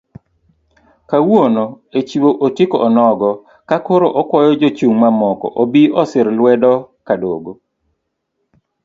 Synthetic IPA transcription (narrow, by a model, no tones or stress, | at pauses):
kawono | et͡ʃiwoʔotikoʔːnɔɡɔ | kakoɾoʔɔkwɔjɔd͡ʒot͡ʃuŋmamɔkɔ̰ʔobiɔsɪɾlwɛdɔkadoɡo